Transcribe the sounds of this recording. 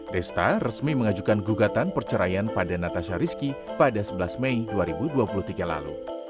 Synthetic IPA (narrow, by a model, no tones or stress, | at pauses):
dɛst̪arəsmiməŋad͡ʒukanɡuɡat̪anpərt͡ʃəɾajanpadanat̪aʃaɾiskipadasəbəlasmeiduaɾibuduapuluht̪iɡala̰lṵ